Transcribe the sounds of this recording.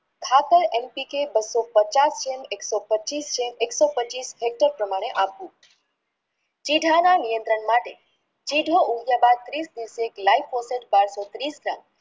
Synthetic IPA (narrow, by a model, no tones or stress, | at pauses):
kʰat̪əɾempikebəsɔpət͡ʃast͡ʃemeksɔpət͡ʃist͡ʃemeksɔpət͡ʃisɦek̚ʈəɾpɾəmaɽ̃eʔapũ | t͡ʃiɖʱananijə̃nt̪ɾəɳmaʈe | t͡ʃiɖʱoʔuɡjabad̪̚t̪ɾisd̪iʋəseklaifoseʈ̚baɾsot̪ɾisɡɾã̰m